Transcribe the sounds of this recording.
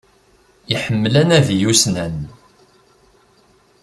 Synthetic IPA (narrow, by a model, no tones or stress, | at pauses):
iħəmːlænæðjusnæn